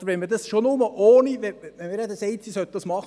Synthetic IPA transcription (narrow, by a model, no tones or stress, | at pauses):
əɾʋɛnmədɑsʃonʊməʔoːniʋɛɛmɪɾɛd̪əsɛɪt̪sisœt̪̚d̥ɑsmɑχ